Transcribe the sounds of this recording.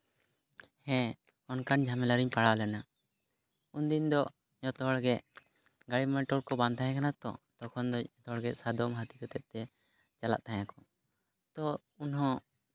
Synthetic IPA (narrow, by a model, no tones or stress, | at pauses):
hɛ̃ | ɔnkand͡ʒʱamɛlaɾiɲpaɽalɛna | und̪ind̪ɔ | ɲɔt̪ɔɦɔɽɡɛʔ | ɡaɽimɛɳʈɔɾkɔbãnt̪ʰajɛ̃kanat̪ɔ̰t̪ɔkʰɔnd̪ɔɔt̪ɔɦɔɽɡɛʔsad̪ɔmɦat̪ikɔt̪ɛt̪̚t̪ɛ | t͡ʃala̰ʔt̪ʰaɲakɔ | t̪ɔ | unɦɔ̃